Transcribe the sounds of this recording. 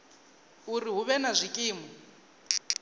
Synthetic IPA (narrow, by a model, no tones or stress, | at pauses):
uriɦuβɛnazʷikʼiːmɔ